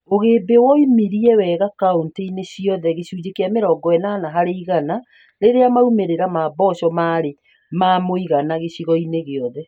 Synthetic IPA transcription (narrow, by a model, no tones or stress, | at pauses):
oɣebewɔimiɾiɛwɛɣakaonteineɕiɔðɛɣeɕuːd͡ʑekeameɾɔɡɔɛnaːnaɦaɾeiɣana | ɾeɾeamaumeɾeɾamabɔɕɔmaɾe | mamoiɣanaɣeɕiɣɔineɣeɔðɛ